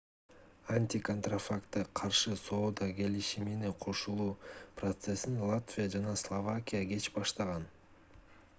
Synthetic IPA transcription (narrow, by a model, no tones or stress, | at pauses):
anʲt̪ʲikont̪rafakt̪ːɑqʰɑɾʃɯso̞ːd̪ɑɡe̞liʃiminiqʰo̞ʃulˠuːprɐt̪se̞sinlˠat̪vʲijad͡ʒɑnɑslˠovakʲijaɡe̞t͡ʃbɑʃt̪ɑʁɑn